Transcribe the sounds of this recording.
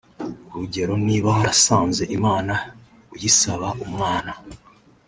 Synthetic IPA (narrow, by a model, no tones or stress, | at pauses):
uɾuɟe̞ɾo̞niːβahaɾasaːnze̞ʔimaːna | ujisaβaʔumŋaːna